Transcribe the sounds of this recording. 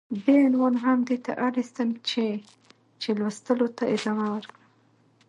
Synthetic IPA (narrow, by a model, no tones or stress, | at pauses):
benwanɦamd̪et̪a̰ʔaɾist̪əmt͡ʃe | t͡ʃelwəst̪əlot̪aʔɪd̪ɑmawəɾkə